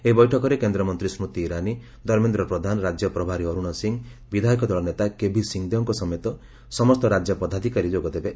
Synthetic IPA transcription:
eibɔjʈʰɔkɔɾekend̪ɾɔmɔnt̪ɾismut̪iːɾani | d̪ʱɔɾmend̪ɾɔpɾɔd̪ʱanɔɾad͡ʒjɔpɾɔbʱaɾiɔɾuɽ̃ɔsiŋbid̪ʱaikɔd̪ɔɭɔnet̪akebʱisiŋd̪ɔŋkɔsɔmet̪ɔ | sɔmɔst̪ɔɾad͡ʒjɔpɔd̪ad̪ʱikaɾid͡ʒoɡɔd̪ebe

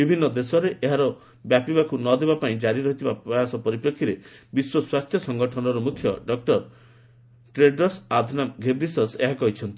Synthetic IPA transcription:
bibʱinːɔd̪esɔɾeʔeɦaɾɔ | bjapibakunɔd̪ebapaĩd͡ʒaɾiɾɔɦit̪ʰibapɔjasɔpɔɾipɾɔkʰːiɾebiswɔswast̪ʰjɔsɔŋɡɔʈʰɔnɔɾɔmukʰjɔɖɔk̚ʈɔɾ | ʈɾeɖɔsad̪ʱnamɡʱebɾisɔseɦakɔɦit͡ʃʰɔnt̪i̥

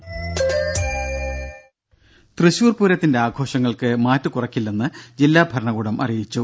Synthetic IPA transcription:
t̪rɨɕuːrpuːɾɐt̪ːinde̞aːɡʱo̞ːʂɐŋːɐɭkɨmaːtːɨkurɐkːilːenːɨd͡ʑilːaːbʱɐɾɐɳɐɣuːɽɐmʔɐ̰rijit͡ɕːu

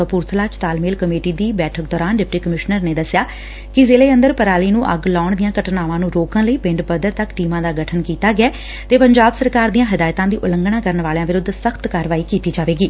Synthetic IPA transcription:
əpuːɾt̪ʰlaːt͡ʃt̪aːlmeːlkəmeːʈiːd̪iːbɛːʈʰək̚d̪ɔːɾaːnɖɪp̚ʈiːkəmɪʃnəɾneːd̪əsɪjaː | kɪzeːleːə̃nd̪əɾpəɾaːliːnũːʔəɡlaːʊɳd̪ɪjãːkəʈnaːʋãːnũːɾoːkə̃nləiːpɪ̃ɳɖbəd̪əɾt̪əkʈiːmãːd̪aːɡəʈʰənkiːt̪aːɡɪɛː | t̪eːpəɲd͡ʒaːbsəɾkaːɾd̪ijãːɦɪd̪aːjt̪ãːd̪iːʔʊləŋɡnãːkəɾənʋaːleãːʋɪɾʊd̪səkʰt̪kaːɾʋaːiːkiːt̪iːd͡ʒaːʋeːɡiː

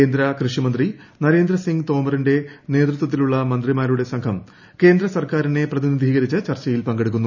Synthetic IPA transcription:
eːnd̪ɾɐkrɨʂimɐnd̪ri | nɐɾe̞ːnd̪ɾɐsiŋɡt̪o̞ːmɐrinde̞ne̞ːd̪rut̪ːwɐt̪̬ːiluɭːɐmɐnd̪rimaːɾuɽe̞sɐŋkʰɐm | ke̞ːnd̪ɾɐsɐrkaːɾine̞prɐðinid̪ʱiːɣɐɾit͡ɕːɨt͡ɕɐrt͡ɕːɐjilpɐŋɡe̞ɽuk̬ːunːu

